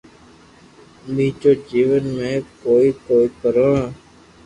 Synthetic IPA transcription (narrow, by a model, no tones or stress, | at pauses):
miːt͡ʃoːd͡ʒiːʋənmẽːkoːiːkoːiːpəɾõː